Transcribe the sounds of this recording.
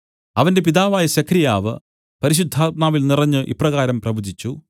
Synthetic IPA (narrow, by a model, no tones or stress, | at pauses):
ɐʋɐnde̞piðaːʋaːjɐɕɐkʰɾijaːʋɨ̰ | pɐɾiɕ̬ud̪ʱːaːt̪̚maːʋilnirɐɲːɨʔḭprɐɣaːɾɐmprɐbud͡ʑit͡ɕːu